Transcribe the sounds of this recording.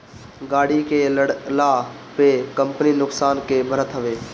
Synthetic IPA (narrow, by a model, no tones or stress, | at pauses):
ɡaːɽikeːlaː | pekəmpəninʊksaːnkeːbʱəɾət̪ɦəʋeː